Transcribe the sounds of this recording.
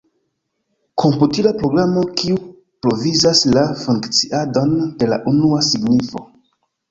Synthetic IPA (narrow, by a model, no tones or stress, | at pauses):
kʰo̞mputilapɾo̞ɡɾamo̞kiu | pɾo̞vizaslafuŋkt͡siʔado̞nde̞la̰ʔunuasiɡnifo̞̰